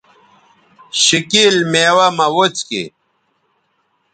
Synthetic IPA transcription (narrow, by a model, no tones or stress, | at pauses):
ɕikilmeːwamɐwot͡skḭ